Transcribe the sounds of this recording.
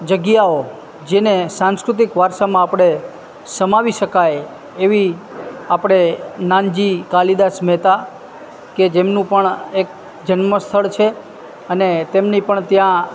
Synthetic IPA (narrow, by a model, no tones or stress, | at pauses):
d͡ʒəɡjao | d͡ʒenesãnskɾʊt̪̬ikʋaɾʃamãːpɽ̃e | səmaʋiʃəkaj | eʋiapɽ̃enand͡ʒikalid̪asmɛt̪a | ked͡ʒemnũpəɳek̚ | d͡ʒənməst̪ʰəɭt͡ʃʰe | ənet̪emnipəɳt̪jã